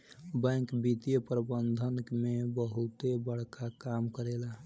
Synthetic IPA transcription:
bɛ̃kbit̪ijəpɾəbənd̪ʱənkmebəɦut̪ebəɽ̤kakamkəɾela

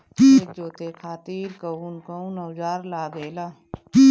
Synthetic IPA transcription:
ekd͡ʒoːt̪ekʰaːt̪iːɾkəuːnkəunɐwd͡ʒaːɾlaːɡeːlaː

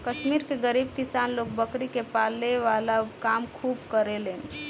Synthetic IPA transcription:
kəʃmiɾkeɡəɾibkisanlok̚bəkɾikepaleʋalakamkʰubkəɾelen

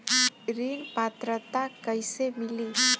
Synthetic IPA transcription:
ɾinpat̪ɾət̪akəisemili

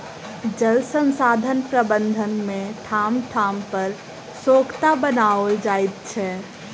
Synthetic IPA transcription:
d͡ʒəlsə̃nsaːd̪ʱənpɾəbə̃nd̪ʱənmẽt̪ʰaːmt̪ʰaːmpəɾ | soːkt̪abənaəld͡ʒaːɪt̪̚t͡ʃʰɛ

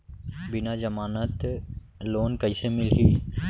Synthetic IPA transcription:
bɪnad͡ʒəmaːnət̪ | loːnkəɪsemɪlɦiː

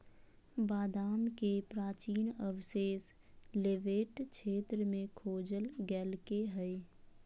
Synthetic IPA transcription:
baːd̪aːmkepɾaːt͡ʃiːnəʋseːs | leʋeːʈt͡ʃʰeːt̪ɾəmẽkʰoːd͡ʒəlɡɛːlkeɦɛe

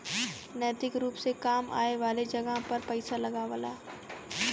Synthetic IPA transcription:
nɛːt̪ɪkɾuːpsekaːma̰ːeʋaːled͡ʒɐɡəɦpɐɾpɛɪsalɐɡaʋəlaː

